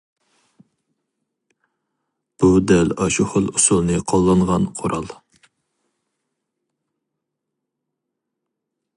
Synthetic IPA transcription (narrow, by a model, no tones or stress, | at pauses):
b̥ud̪ɛlɑʃuχʊlˠusulˠnɨqʰolˠːɑɴʁɑnqʰoɾɑlˠ